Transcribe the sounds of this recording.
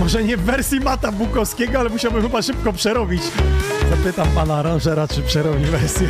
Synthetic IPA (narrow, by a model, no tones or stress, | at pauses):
mɔʐɛɲɛvːɛɾsʲjimat̪abukɔfskʲɛɡɔalɛmuɕawbɘmxɘbaʂɘp̚kɔpʂɛɾɔbʲit͡ɕzapɘt̪ampanaɾãnʐɛɾat͡ʂɘpʂɛɾɔbʲivɛɾsʲjɛ